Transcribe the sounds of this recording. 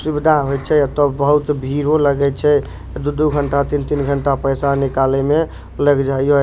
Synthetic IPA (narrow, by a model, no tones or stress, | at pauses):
subid̪ʱaɦojt͡ʃʰɛat̪ɔbəɦut̪bʱiɾoləɡɛt͡ʃʰɛ | d̪ud̪uɡʱəɳʈat̪int̪inɡʱəɳʈapəjsanikaleme | ləɡd͡ʒao